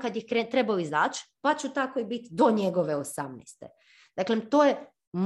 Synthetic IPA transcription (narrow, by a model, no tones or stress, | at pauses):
kad̪jixkɾet̪ɾebaoizaːt͡ʃpat͡ʃut̪akoibit̪d̪o̞ɲeɡoʋeosamnɛ̰st̪ḛ | d̪̥aklet̪oːje | m